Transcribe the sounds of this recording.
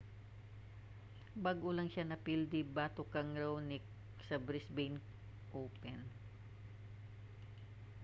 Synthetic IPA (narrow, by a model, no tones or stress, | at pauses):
baɡʔʊlɐŋʃanɐpild̪ibaːt̪okɐŋɾɐwnɪ | sɐbɾɪsbɛjn | ʔoːpɛn